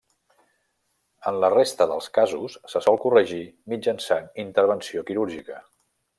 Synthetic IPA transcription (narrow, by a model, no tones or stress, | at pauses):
ənlərest̪əðə̰lˠskazusːəsɔlˠkurəʒimid͡ʒənsanint̪əɾβənsiokiɾuɾʒikə